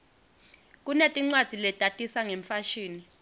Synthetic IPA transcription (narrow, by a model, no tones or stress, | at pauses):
k̬ʼunetʼiŋ͡ǀwad̥z̥ʱilɛtʼatʼisaŋeɱfaʃiːni